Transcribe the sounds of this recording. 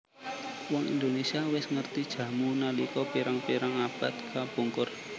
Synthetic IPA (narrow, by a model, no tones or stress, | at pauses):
wɔŋḭnd̪onesiawɪsŋərt̪id̥ʒ̥ä̤munalikɔpiɾaŋpiɾaŋab̥at̪̚kab̥uŋkʊr